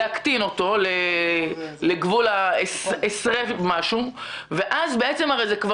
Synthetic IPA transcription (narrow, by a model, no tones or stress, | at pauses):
akt̪ino̞to̞le | leɡvulaesesʁemaʃu | ve̞ʔazbeʔet͡se̞mhaʁejzekva